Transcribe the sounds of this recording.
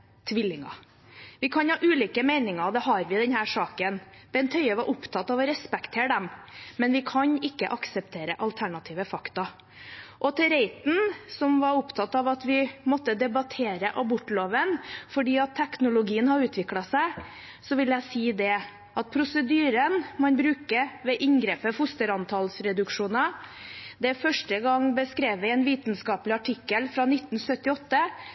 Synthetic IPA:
t̪ʰʋɪlːɪŋɑ̰ | ʋɪkʰɑnhɑːʔʉːliːkəmeɪnɪŋɑd̪ɛɦɑɾʋɪd̪ɛnhæːʂɑːkənb̥ɛnt̪ʰœʏəʋɑɾʔʊpt̪ʰɑt̪ɑʋɔɾɛspɛkt̪ʰeːɖɛmmɛnʋɪkʰɑɲɪkːə̰ʔɑksəpt̪ʰeːɾəʔɑlt̪ʰæɳɑt̪ʰiːʋəfɑkt̪ɑ | ʔɔt̪ʰɛɾeɪt̪n̩sɔmʋɑɾʊpt̪ʰɑt̪ɑʋɑt̪ʋɪmɔt̪ːəd̪ɛbɑt̪ʰeːɾəʔɑbʊʈːloːʋənfɔɖiːɑt̪ʰːɛknʊlʊɡiːənhɑɾʉːt̪ʰʋɪklɑsæɪ | sɔʋɪljæɪsiːd̪ɛ | ʔɑt̪̚pʰɾʊsəd̪yːɾənmɑnbɾʉːkəʋɛʔɪŋɡɾeːpəhʊst̪əɾɑnt̪ʰɑlsɾɛd̪ʉkʂuːnɑ | d̪ɛfœʂʈəɡɑŋbəskɾeːʋʋɪɛnʋiːt̪nskɑːplɪɑʈʰɪkːəlfɾɑnɪt̪ːn̩sœt̪ːɪɔt̪ːə

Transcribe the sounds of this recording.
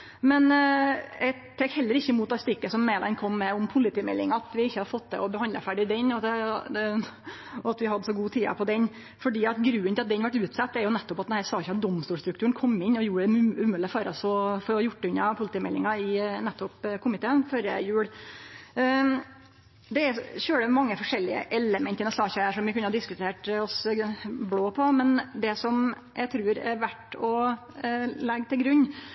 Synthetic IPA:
mɛn | ɛ | t̪ʰeːkhɛlːəɾɪçːəɪmuːt̪d̪ɑɾst̪ʏkːəsɔmːeːd̪ɑnkʰɔmːɛʊmpʰʊlɪt̪iːmɛlːɪŋɑɑt̪ʋɪɪçːəhɑɾfɔt̪ːd̪ɛ̰ɔbəhɑnd̪əfæɖɪd̪ɛnɔ | ɔɑt̪ʋɪhɑd̪əsɔɡuːt̪ʰiːɑ̰pʰɔd̪ɛn | fɔɖiːɑt̪ɡɾʉːənɪlɑt̪d̪ɛnʋɑʈʉːt̪sɑt̪ːæɾjʊnɛt̪ːɔpɑt̪d̪ɛnæːɾsɑːɪçːəɑt̪̚d̪ɔmːst̪uːlʂt̪ɾʉk̚t̪ʉːənkʰɔmːɪnːɔjuːəɖɛʉʉmʉːləfɑːɾɑsɔfɔɾɔjʊʈːʉnːɑpʰʊlɪt̪iːmɛlːɪŋɑɪnɛt̪ːɔpkʰʊmɪt̪eːənføːɾəjʉːɽ | d̪ɛæɾçøːɽəmɑŋːəfɔʂɛlːɪə̰ʔɛləmənt̪ɪnɛsɑːçɑæʂɔmʋɪkʰʉnːəhɑd̪ɪskʉt̪ʰeːʈɔsbloːpʰɔmɛnd̪ɛsɔm | jʔæɪt̪ʰɾʉːɾɛ̰ɾʋæʈːɔ | lɛɡːt̪ʰɪlɡɾʉɲː

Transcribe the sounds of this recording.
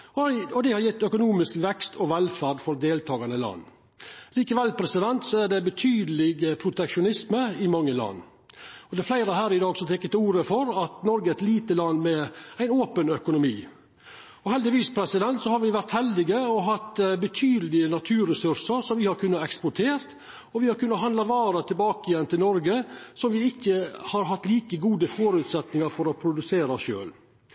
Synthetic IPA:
ɔɔd̪ɛhɑɾjɛt̪ːœkʊnuːmɪskʋɛkst̪ʰɔʋɛlfæɾɖfɔɾd̪eːlt̪ʰɑːɡɑnəlɑ̰nː | liːkəʋɛlpʰɾɛsɪd̪ɛnt̪sɔæɖɛbət̪ʰyːd̪əlɪɡəpʰɾʊt̪ɛkʂʊnɪsməɪmɑŋːəlɑ̰nː | ɔd̪ɛflæɪɾəhæːɾɪd̪ɑːɡsɔt̪ɛkːət̪ɪuːɾəfɔɾɑt̪nɔɾɡəæɾt̪liːt̪əlɑnːmɛæɪnoːpənœkʊnʊmiː | ɔhɛld̪ɪʋiːspʰɾɛsɪd̪ɛnt̪sɔhɑɾʋɪʋæɾt̪hɛld̪ɪɡəɔɦɑt̪ːbət̪ʰyːd̪əlɪənɑt̪ʰʉːɾɛsʉɾsəɾsɔmʋɪhɑɾkʰʉnːəɛkspʊʈʰeːɾt̪ | ɔʋɪhɑɾkʉnːəɦɑnd̪ɑʋɑːɾət̪ʰɪlbɑːkəjɛnːt̪ʰɪlnɔɾɡəsɔmʋɪɪkːəhɑɾɦɑt̪ːliːkəɡuːd̪əfɔɾʉːt̪sɛt̪nɪŋɑɾfɔɾɔpʰɾʊd̪ʉseːɾɑʃø̰ːl

